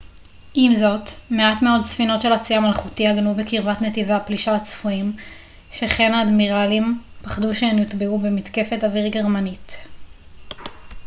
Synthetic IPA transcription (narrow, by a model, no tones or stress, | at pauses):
ʔimzo̞tmeatme̞o̞dsfino̞tʃe̞lat͡siamalχutihaɡnubekiʁvatnet̪ivaapliʃaat͡sfuim | ʃeχe̞naːd̪miʁalimpaχduʃeemjit̪beubemitke̞fe̞taviʁɡeʁmanit